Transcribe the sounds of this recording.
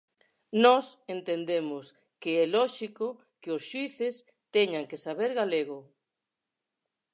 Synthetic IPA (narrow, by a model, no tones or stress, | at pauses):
nɔsent̪end̪emʊs | keɛlɔʃiko | keosʃwiθes | t̪ɛɲaŋkesaβeɾɣaleɣʊ